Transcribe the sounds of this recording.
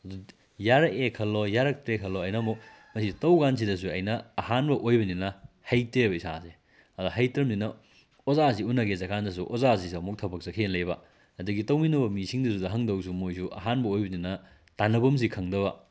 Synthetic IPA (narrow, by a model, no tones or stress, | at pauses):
ɐdu | jaɾɐkekʰɐlːojaɾɐk̚tɾekʰɐloɐjnɐmok̚ | mɐsitɐwɡans̬idɐs̬uɐjnɐɐhanbɐʔojbɐninɐ | hɐjtebɐisa̰se | ɐduɦɐjtɾɐmninɐ | ozasiunɐɡezɐkʰandɐs̬uʔozas̬isiɐmuk̚tʰɐbɐk̚sɐkʰenlɐjbɐ | ɐdɐɡitɐwminɐbɐmisiŋdɐs̬udɐɦɐŋdɐwsumojsuʔɐ̰ɦanbɐojbɐninɐ | tanɐbɐms̬ikʰɐŋdɐbɐ